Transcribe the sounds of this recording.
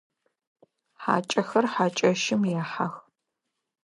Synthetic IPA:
ħa̰ːt͡ʃʼɐxɐrħaːt͡ʃʼɐʃɪmjaːħa̰x

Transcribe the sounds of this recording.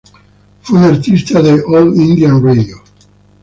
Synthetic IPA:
fweunaɾt̪ist̪aðeʔolĩnd̪jãnredjo

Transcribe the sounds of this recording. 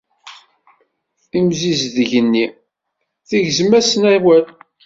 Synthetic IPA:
imzizðəʝənːi | θiʝzmæsənæwæl

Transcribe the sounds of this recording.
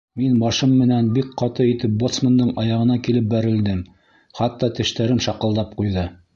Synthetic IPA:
minbɑʃɤmːɘ̆nænbikqɑt̪ɤit̪ɘp̚bot̪smənd̪ɤɴɑjɑʁɤ̆nɑkilɘp̚bæɾɘ̆ld̪ɘm | χɑt̪ːɑt̪ɘ̆ʃt̪æɾɘnʃɑqɤ̆lˠd̪ɑp̚qujðɤ

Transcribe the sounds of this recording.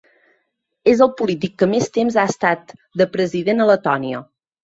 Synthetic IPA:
ezəlˠpulit̪̬ikːəmest̪emzaəst̪at̪d̪əpɾəziðenələt̪ɔniə̰

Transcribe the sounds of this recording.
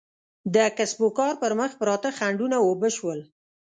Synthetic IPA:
d̪əkasbokɑɾpəɾməxpɾɑt̪əxaɳɖunawobəʃwəl

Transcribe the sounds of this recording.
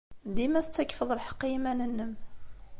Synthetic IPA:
d̪imæθət͡sːækːfəðˤəlħə̥qːimænənːəm

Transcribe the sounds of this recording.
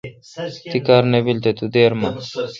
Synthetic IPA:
t̪ikaɾnebilt̪et̪ud̪eːɾma

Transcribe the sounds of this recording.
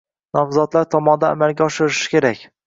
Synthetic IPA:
nɒmzɒt̪laɾt̪ʰɒmɒnd̪a̰ːmalɡʲaɒʃɪɾɪʃɪ̥kʲʰe̞ɾakʲ

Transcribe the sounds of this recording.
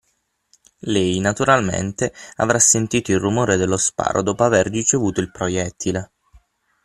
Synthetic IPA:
lɛjnat̪uɾalmḛnt̪ea̰vɾasːent̪iːt̪oilrumoːɾed̪elːospa̰ːɾʔo̰d̪ɔːpoaverːit͡ʃevuːt̪oilpɾojɛt̪ʰːile

